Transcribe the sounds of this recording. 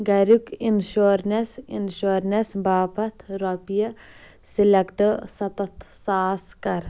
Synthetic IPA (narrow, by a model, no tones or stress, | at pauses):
ɡɐɾukinʃoɾnesinʃoːɾnesbaːpɐt̪ʰɾopijɐ | silɐkʈəsɐt̪ɐt̪saːskɐɾ